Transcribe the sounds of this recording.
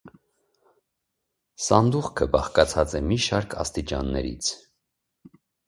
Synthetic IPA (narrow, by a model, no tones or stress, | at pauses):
sɑnd̪uχkʰəbɑχkɑt͡sʰɑt͡sɛmiʃɑɾkʰɑ̰st̪it͡ʃɑ̰nːɛ̰ɾḭt͡sʰ